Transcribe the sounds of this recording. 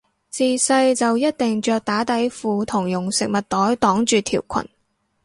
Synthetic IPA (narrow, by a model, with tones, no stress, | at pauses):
t͡siː˨˧sɐ˧jt͡sɐ˨wjɐ˥t̚t̪ɪ˨ŋt͡ʃœː˧k̚t̪aː˨˥t̪ɐ˨˥jfuː˨˧t̪ʰʊ˨˩ŋjʊ˨˩ŋsɪ˨k̚mɐ˨t̚t̪ɔː˨˥jt̪ɔː˨˥ŋt͡ʃyː˨˧t̪ʰḭː˨˩wkʷʰɐ̰˨˩n